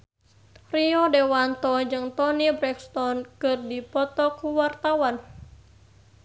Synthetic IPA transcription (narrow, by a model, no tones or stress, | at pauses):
riɔdɛwant̪ɔd͡ʒɨŋt̪ɔnibɾɛkst̪ɔnkɨrdipɔt̪ɔkuwart̪awan